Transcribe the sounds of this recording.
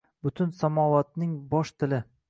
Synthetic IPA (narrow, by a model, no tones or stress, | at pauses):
bʊt̪ʰʊnsamɒwat̪̚nɪŋbɒʃt̪ʰɪlɪ